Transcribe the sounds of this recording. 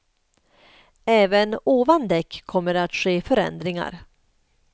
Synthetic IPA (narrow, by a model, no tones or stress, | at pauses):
ɛːvənoːvand̪ɛkʰːɔmːəɾat̪ɧeːfœɾɛ̰nd̪ɾɪŋa̰ɾ